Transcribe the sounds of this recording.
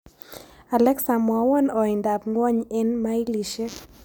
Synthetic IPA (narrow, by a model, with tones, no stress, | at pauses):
a˨lɛ˦ksa˨mwa˨wɔ˦nɔ˨ɪ˨nda˨pŋɡwɔ˦ɲɛ˦nma˦i˦li˨ʃe˦